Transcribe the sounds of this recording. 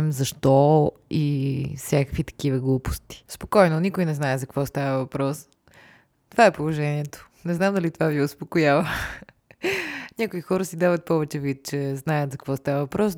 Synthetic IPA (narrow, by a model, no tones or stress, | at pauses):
mzɐʃt̪ɔ | ifsʲjakəkvit̪ɐ̥kivəɡlˠupo̥st̪i̥spokɔjnonikojnɛznaɛzɐkvɔst̪avəvɐpɾɔs | t̪ovaɛpolˠoʒɛniɛt̪o̥ | nɛznamd̪ɐlit̪ovaviʊspokojavə | nʲakoixɔɾəsid̪avət̪̚pɔvɛt͡ʃɛvit̪̚t͡ʃɛznajət̪zɐkvɔst̪avəvɐpɾɔs